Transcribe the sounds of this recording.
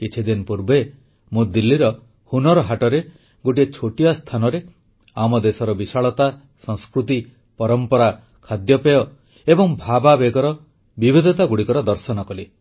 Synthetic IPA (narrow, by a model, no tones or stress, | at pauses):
kit͡ʃʰid̪inpuɾbe | mud̪ilːiɾɔ | hunɔɾɔɦaʈɔɾe | ɡoʈiet͡ʃʰoʈiast̪ʰanɔɾe | amɔd̪esɔɾɔbisaɭɔt̪a | sɔ̃ŋ̃skɾut̪i | pɔɾɔmpɔɾa | kʰad̪jɔpejɔ | ebɔŋbʱababeɡɔɾɔ | bibʱid̪ʱɔt̪aɡuɽikɔɾɔd̪ɔɾsɔnɔkɔle